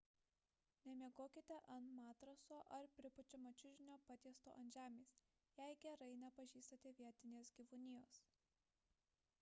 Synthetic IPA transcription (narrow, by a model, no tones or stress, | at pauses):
nʲɛmʲiɛɡoːkʲɪt̪ʲɛʔɐnt̪mɑːt̪ɾɐsoːʔɐɾpʲɾʲɪpʊt͡ʃʲʊmɐt͡ʃʲʊʒʲɪnʲoːpɑt̪ʲiɛst̪o̰ːʔɐnʲʒʲæːmʲeːs | jɛɪɡʲɛɾɐɪnʲɛpɐʒʲiːst̪ɐt̪ʲɛʋʲiɛt̪ʲɪnʲeːsɡʲiʋʊnʲɪjoːs